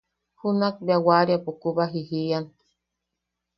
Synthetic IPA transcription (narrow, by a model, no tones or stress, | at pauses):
hunak̚biawaɾjapukuβaɦihian